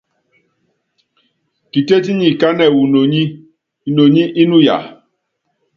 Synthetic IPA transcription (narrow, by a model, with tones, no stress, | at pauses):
ki˨te˦ti˦ɲi˨ka˦nɛ˨wu˨no˨ɲi˦ | i˨no˨ɲi˦ʔi˦nu˦ja̰˨